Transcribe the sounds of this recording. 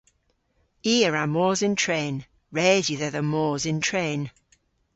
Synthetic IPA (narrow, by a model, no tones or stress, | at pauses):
iːəɹamɔːzɪ̃ntʰɹẽːn | ɹɛːzjiðəðəmɔːzɪ̃ntʰɹ̥ẽːn